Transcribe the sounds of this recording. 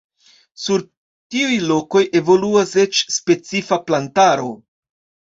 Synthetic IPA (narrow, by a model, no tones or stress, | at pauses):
suɾ | tiujlo̞ko̞jʔe̞vo̞luase̞t͡ʃspe̞t͡sifaplantaɾo̞̰